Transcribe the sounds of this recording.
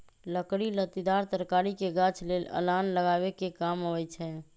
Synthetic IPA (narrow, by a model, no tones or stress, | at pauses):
ləkɽilət̪id̪aɾt̪əɾkaɾikeɡat͡ʃʰlelə̰lanləɡaβekekamɦəwɛt͡ʃʰɛ